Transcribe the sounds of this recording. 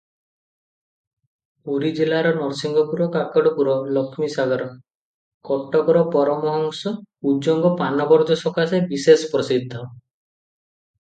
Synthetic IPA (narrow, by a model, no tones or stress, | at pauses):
uɾid͡ʒilaɾɔnɔɾsiŋɡʱɔpuɾɔkakɔɽupuɾɔlɔkʰmisaɡɔɾɔ | kɔʈːɔkɔɾɔpɔɾɔmɔɦɔŋsɔud͡ʒɔŋɡɔpanɔbɔɾd̪ɔsɔkasebisespɾɔsid̪ʱːɔ